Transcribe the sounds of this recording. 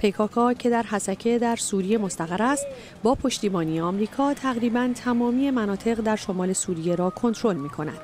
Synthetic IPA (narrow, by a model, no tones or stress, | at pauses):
pʰe̞jkʰɒːkʰɒːcʰe̞d̪æɾɦæsæcʰe̞d̪æɾsuːɾije̞mo̞st̪æɣæɾæst̪ | bɒːpʰo̞ʃt̪iːbɒːnijeɒmɾiːkʰɒːt̪ʰæɣɾiːbænt̪ʰæmɒːmiːjemænɒːt̪ʰe̞ɣd̪æɾʃo̞mɒːle̞suːɾije̞ɾɒːkʰo̞nt̪ʰɾo̞lmiːkʰo̞næ̰d̪̥